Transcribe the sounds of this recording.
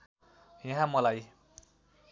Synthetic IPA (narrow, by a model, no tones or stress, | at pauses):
jãɦãmʌlaj